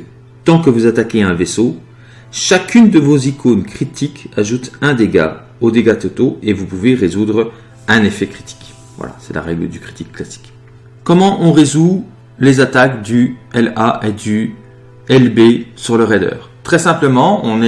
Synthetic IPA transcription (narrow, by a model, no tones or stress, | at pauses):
t̪ɑ̃kəvuzat̪akʲeɛ̃veso | ʃakʰʲynd̪əvozikonkχit̪ʰikaʒut̪ɛ̃d̪eɡa̰ | od̪eɡat̪ot̪oevupuveʁezud̪ʁ | ɛ̃nefɛkχi̥t̪ʰi̥k | vwa̰la̰sɛla̰ʁɛ̰ɡləd̪ykχi̥t̪ikːlasi̥k | kɔmɑ̃ʔɔ̃ʁezu | lezat̪akd̪yɛlaʔed̪y | ɛlbesyʁləʁed̪œ̰ːʁt̪χɛsɛ̃pləmɑ̃ɔ̃nɛ